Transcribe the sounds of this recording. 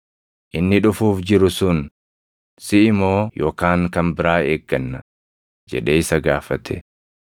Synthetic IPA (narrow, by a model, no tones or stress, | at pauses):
ʔɪnːɪᶑʊfuːfd͡ʒɪɾʊsʊn | sɪɪmo̞ːjo̞ːkaːŋkɐmbɪɾaːeːɡːɐnːɐ | d͡ʒɛ̰ᶑe̞ːɪsɐɡaːfɐt̪ʰɛ̰